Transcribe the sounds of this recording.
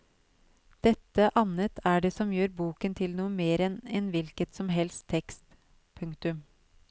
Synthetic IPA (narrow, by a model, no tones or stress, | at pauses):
d̪̥ɛt̪ːəʔɑnət̪ʰæɖɛsɔmjøːɾbuːkənt̪ʰɪlnuːəmeːɾɛnɛnʋɪlkət̪sɔmɦɛlst̪ʰːɛkst̪ | pʰʉŋkt̪ʉm